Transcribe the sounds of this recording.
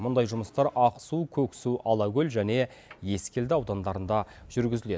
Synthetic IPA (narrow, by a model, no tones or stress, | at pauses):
mʊnd̪ɑjʒʊməst̪ɑɾɑqsukʲʰɵkʲsuʔɑlˠɑɡʲɵlʲʒæne̞ | je̞skʲe̞ld̪ɪɑwd̪ɑnd̪ɑɾənd̪ɑʒ̥ʏɾɡʲɪzɪle̞